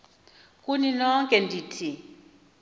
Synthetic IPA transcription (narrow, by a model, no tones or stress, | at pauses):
kʼuninɔŋkʼɛndʱiːtʰi